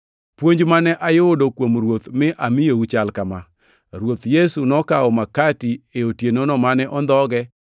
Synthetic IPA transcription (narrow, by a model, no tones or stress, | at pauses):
pwoɲd͡ʒmanɛʔajʊodokwomɾwot̪mɪʔamɪjout͡ʃalkama | ɾwot̪jesunɔkaɔmakatieotjenonɔmanɛʔɔnd̪ɔɡɛ